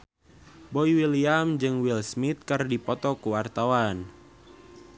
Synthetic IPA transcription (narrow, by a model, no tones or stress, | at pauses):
bɔiwiliamd͡ʒɨŋwilsmit̪̚kɨrdipɔt̪ɔkuwart̪awan